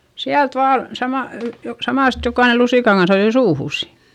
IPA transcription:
siælt ʋɑː sɑmɑl ly jo sɑmɑˑst jokɑine lusiˑkɑŋ kɑns ɑjoi suːhuˑs

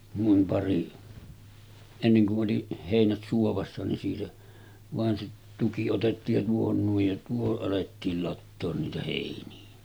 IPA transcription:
nuim pɑri enːeŋ kuʔ ʔoli heˑinæt suoʋɑsːɑ nin siːtæ ʋɑˑen se tuki otetːiːj jɑ tuohon nuij jɑ tuohoʔ ʔɑletːiːl lɑtːoːn niːtæ heˑiniæ

